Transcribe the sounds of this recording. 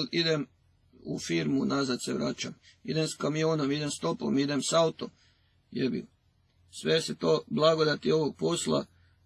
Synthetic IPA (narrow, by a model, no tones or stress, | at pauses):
lid̪em | ṵfiːɾmunazad̪seʋɾa̰ːt͡ʃa̰mid̪emskamijoːnomid̪e̞mst̪o̞po̰mid̪emsaut̪om | jeɾbḭ | sʋeset̪oːblˠaɡod̪at̪io̞ʋoɡ̚po̞sla̰